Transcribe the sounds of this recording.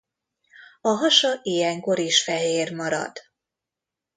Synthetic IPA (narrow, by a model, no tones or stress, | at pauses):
ɒɦɒʃɒʔijɛŋko̞ɾiʃfɛɦeːrmɒɾɒ̰d̪̥